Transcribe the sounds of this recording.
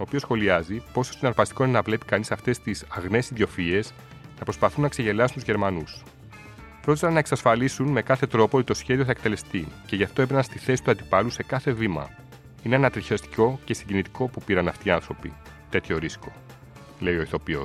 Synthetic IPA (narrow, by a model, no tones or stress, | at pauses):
oːpio̞sxo̞liɐzipo̞sost̪inɐɾpɐst̪i̥ko̞nenɐvle̞pi̥kɐnisɐft̪e̞st̪isɐɣne̞siðjo̞fie̞s | nɐpɾo̞spɐθunːɐkseʝe̞lɐsunt̪uzʝe̞ɾmɐnus | pɾo̞t̪i̥sɐnːɐe̞ksɐsfɐlisunme̞kɐθe̞t̪ɾo̞poot̪it̪o̞sçe̞ðioθɐek̚t̪e̞le̞st̪ice̞ʝɐft̪o̞epenɐnst̪iθe̞si̥t̪uɐnd̪ipɐluse̞kɐθe̞vimɐ̰ | ineɐnɐt̪ɾiçest̪i̥co̞ce̞siɲɟinit̪i̥kʰo̞pupiɾɐnɐft̪iɐnθɾo̞pḭ | t̪e̞t̪ço̞ɾisko̞ | le̞io̞iθo̞pio̞̰s